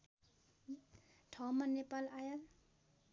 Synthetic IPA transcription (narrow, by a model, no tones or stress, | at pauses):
ʈʰʌmʌnːepalajal